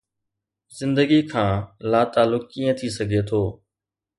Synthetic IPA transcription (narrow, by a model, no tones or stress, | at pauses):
zɪ̃nd̪əɡikʰãːlaːt̪aːlʊk̚ːiːə̃t̪ʰisəɡʱet̪ʰoː